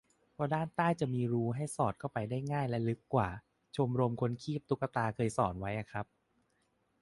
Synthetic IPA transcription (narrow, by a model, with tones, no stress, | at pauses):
pʰɔː˧daː˥˩nt̪aː˥˩jt͡ɕa˨˩miː˧ɾuː˦˥ɦa˥˩jsɔː˨˩t̪̚kɔː˥˩pa˧jdaː˥˩jŋaː˥˩jlɛ˦˥lɯ˦˥kːwaː˨˩ | t͡ɕʰo˧mɾo˧mkʰo˧nkʰiː˥˩p̚t̪u˦˥kːa˧t̪aː˧kʰɤː˧jsɔ̰ː˨˩˦nwa˦˥jʔa˨˩kʰɾa˦˥p̚